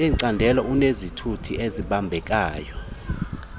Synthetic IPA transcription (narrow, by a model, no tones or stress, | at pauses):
ɛǀandʱɛlaʔunezitʰutʰiʔeziɓambʱɛk̬ʼaːjɔ